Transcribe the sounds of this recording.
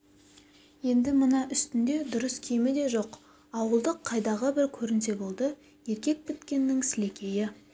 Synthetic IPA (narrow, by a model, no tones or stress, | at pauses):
je̞nd̪ɪmənɑʔʏst̪ɪnd̪e̞d̪ʊɾəskʲʰemɪd̪e̞ʒo̞q | ɑwəlˠd̪əqʰːɑjd̪ɑʁəbɪɾkʲʰɵɾɪnse̞bo̞lˠd̪ə | je̞ɾkʲe̞k̚pɪt̪kʲe̞nːɪŋsɪle̞kʲʰe̞jɪ